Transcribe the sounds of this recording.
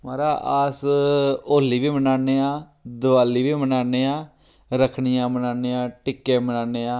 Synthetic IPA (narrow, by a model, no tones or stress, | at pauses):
maːɾaːʔaːs | oːliːʋiːmənaːneːaː | d̪əʋaːliːʋiːmənaːneːãː | ɾəkʰɳɪjãːmənaːneːãːʈɪkːeːmənaːneːãː